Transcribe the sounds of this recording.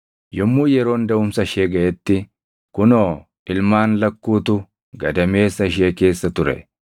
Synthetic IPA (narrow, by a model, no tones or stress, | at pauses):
jɔmːuːjɛɾo̞ːnd̪ɐʊmsɐɪʃeːɡɐʔɛt̪ːɪ | kʊnoː | ɪlmaːnlɐkːuːt̪ʊ | ɡɐd̪ɐme̞ːsːɐɪʃ̬eːke̞ːsːɐt̪ʊɾɛ̰